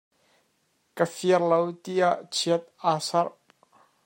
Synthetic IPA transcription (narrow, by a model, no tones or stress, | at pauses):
kəfiərlowt̪iʔaʔt͡sʰiət̪̚aːsɐr